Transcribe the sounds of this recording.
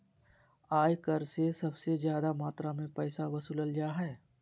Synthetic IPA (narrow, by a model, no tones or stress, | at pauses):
aːjkɐɾsesɐbsezjaːd̪amaːt̪ɾamẽpɛːsaʋɐsʊləld͡ʒaːɦɛː